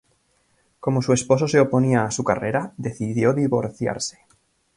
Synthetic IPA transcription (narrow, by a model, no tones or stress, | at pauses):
komosue̞spo̞so̞se̞opo̞niaːsukareɾaðe̞θiðjo̞ðiβo̞ɾθja̰ɾse̥